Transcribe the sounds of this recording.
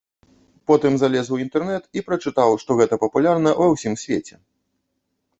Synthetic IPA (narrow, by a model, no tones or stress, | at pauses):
pɔt̪ɨmzalʲɛzwint̪ɛrnɛt̪ipɾɐt͡ʂɨt̪awʂt̪ɔɣɛt̪ɐpɐpulʲarnɐvɐwsʲimsʲvʲet͡sʲɛ